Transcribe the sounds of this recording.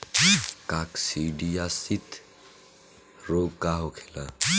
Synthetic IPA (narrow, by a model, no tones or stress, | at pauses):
kaksiɖijasit̪ | ɾoːɡkaɦokʰela